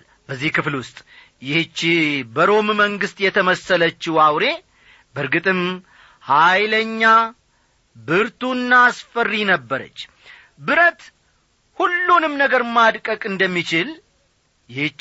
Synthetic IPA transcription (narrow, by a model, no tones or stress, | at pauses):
bəzːihkɨflwʊst̪ʼ | jɪht͡ʃːibəɾo̞mməŋɡɨst̪ʼjɛt̪ʰəməsələt͡ʃːuawɾe̞ | bəɾɡɨt̪ʼɨm | hajləɲːa | bɨɾt̪unːaːsfərːinəbːəɾə̰t͡ʃː | bɨɾət̪ | hulːunɨmnəɡəɾmad̪kʼəkʼɨnd̪əmːit͡ʃɪl | jɪh